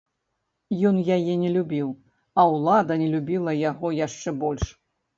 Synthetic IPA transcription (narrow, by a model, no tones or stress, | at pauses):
jɔnjajɛnʲɛlʲubʲiw | ɐwlˠad̪ɐnʲɛlʲubʲilˠɐjaɣɔjaʂt͡ʂɛbɔlʲʂ